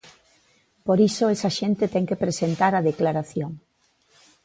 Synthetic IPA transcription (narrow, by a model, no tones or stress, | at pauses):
poɾisoɛsaʃent̪et̪ɛŋkepɾesent̪aɾɐðeklaɾaθjoŋ